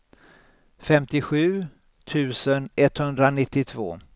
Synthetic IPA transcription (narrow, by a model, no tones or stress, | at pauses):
fɛmt̪ɪɧʉ̟ː | t̪ʰʉ̟ːsənʔɛt̪hɵnd̪ɾanɪt̪ːɪt̪ʰvo̰ː